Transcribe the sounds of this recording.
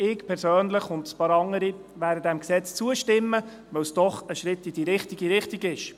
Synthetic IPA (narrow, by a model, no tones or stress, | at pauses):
ɪkpʰɛɾsøːnləχʊndspɑːɾɑŋːəɾi | væːdədɛmksɛt͡st͡suəʃtɪmːə | ʋœwsd̥ɔχəʃɾɪtːid̥iɾɪχtiɡiɾɪχtiɡɪʃ